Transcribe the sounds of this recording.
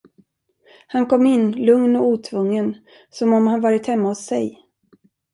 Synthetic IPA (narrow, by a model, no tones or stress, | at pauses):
hankɔmːɪnːlɵŋnɔuːt̪ʰvɵŋːən | sɔmɔmhanvɑːɾɪt̪hɛmːaɔsːɛj